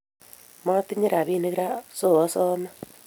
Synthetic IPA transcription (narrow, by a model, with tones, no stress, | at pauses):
ma˦t̪i˦ɲe˦ɾa˨βiː˦˨ne˦ɣi˦ɾa˦so˦˨a˦sɔ˦na